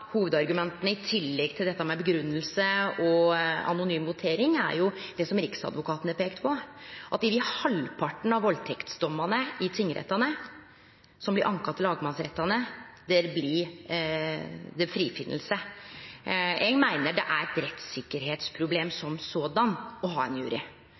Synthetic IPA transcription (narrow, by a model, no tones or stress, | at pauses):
huːʋəd̪ɑɾɡʉmɛnt̪ənəɪt̪ʰɪlːɛɡt̪ʰɪld̪ɛt̪ːɑmɛbəɡɾʉnːəlsəɔɑ̰nʊnyːmʋʊt̪ʰeːɾɪŋæ̰ɾjʊd̪̥ɛsɔmɾɪksɑ̰d̪ʋʊkʰɑːt̪ənəɾpʰeːkt̪pʰɔʔɑt̪ɪd̪ɪhɑlpʰɑʈːɳ̩ɑʋʋɔlt̪ʰɛkt̪sd̪ɔmːɑnəɪt̪ʰɪŋːəɾɛ̰t̪ːɑnə | sɔmblɪʔɑŋkɑt̪ːlɑːɡəmɑnsɾɛt̪ːɑnəd̪ɛɾblɪ | d̪ɛfɾiːfɪnəl̩sə | eːɡmæɪnəɖɛʔæɾɛt̪ɾɛt̪sɪkːəɾɦeːt̪spʰɾʊbleːmsɔmsoːd̪ɑnɔɦɑːɛnjʉ̰ːɾɪ̰